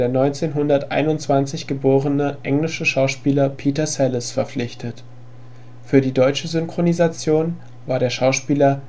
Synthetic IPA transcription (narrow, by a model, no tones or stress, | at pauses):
eːɐnɔʏnt͡seːnɦʊndɐtʔa̰ɪnʊntt͡sv̥ant͡sɪçɡ̥əboːʁənəʔɛŋlɪʃəʃaʊʃpiːlɐpʰiːtɐsɛlɪsfɛɐp͡flɪçtʰət | fyːɐdiːdɔʏt͡ʃəzʏŋkʁ̥onizat͡sjoːn | vaːɐɾeːɐʃaʊʃpiːlɐ